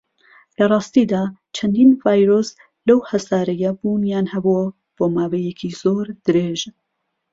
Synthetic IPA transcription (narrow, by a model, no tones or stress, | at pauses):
lɐrˤɑːst̪id̪aːt͡ʃʰɐnd̪iːnvaːjɾos | lɐwhɐsaːɾɐjɐbuːnjaːnhɐbuɐ | b̥oːmaːwejekʰizoɾd̪̥ɨɾeʒ